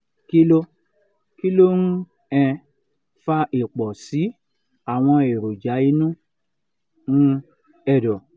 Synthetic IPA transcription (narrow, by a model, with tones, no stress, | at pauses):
ki˦lo˦ | ki˦lo˦nũ˦ | ɛ̃˧ | fa˧˦i˨k͡pɔ˨si˨˦ | a˨w̃ɔ̃˧e˨ɾo˨d͡ʒa˨˦i˧˦nũ˦ | ŋ̩̃˦ | ɛ˦˨dɔ˨